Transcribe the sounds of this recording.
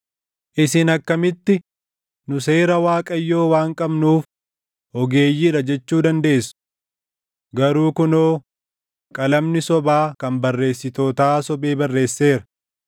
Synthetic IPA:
ʔɪsɪnɐkːɐmɪt̪ːɪ | nʊse̞ːɾɐwaːkʼɐjːo̞ːwaːŋkʼɐbnuːf | hɔɡe̞ːjːiːɾɐd͡ʒɛt͡ʃːuːd̪ɐnd̪e̞ːsːʊ̥ | ɡɐɾuːkʊnoː | kʼɐlɐmnɪsɔbaːkɐmbɐrːe̞ːsːɪt̪o̞ːt̪aːsɔbeːbɐrːe̞ːsːe̞ːɾɐ̥

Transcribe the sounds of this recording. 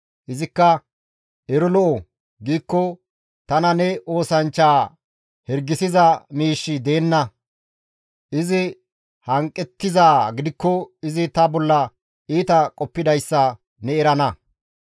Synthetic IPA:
ʔɪzɪkːɐ | ɛɾɔlɔʔɔ | ɡiːkːɔ | t̪ɐnɐnɛʔo̞ːsɐnt͡ʃːaː | hɛɾɡːɪsɪzɐmiːʃːɪd̪e̞ːnːɐ | ʔɪzɪ | hɐŋkʼːɛt̪ːɪzaːɡɪd̪ɪkːɔɪzɪt̪ɐbɔlːɐ | iːt̪ɐkʼɔpːɪd̪ɐjsːɐ | nɛɛɾɐnɐ

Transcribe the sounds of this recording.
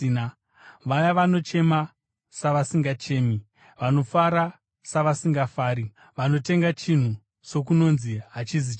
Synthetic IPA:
n | ʋajaʋano̞t͡ʃe̞ma | saʋasiŋɡat͡ʃe̞ːmi | ʋano̞faɾa | saʋasiŋɡafaːɾi | ʋano̞te̞ŋɡat͡ʃin̤u | t͡ʃo̞k̬uno̞nziɦat͡ʃizit͡ʃ

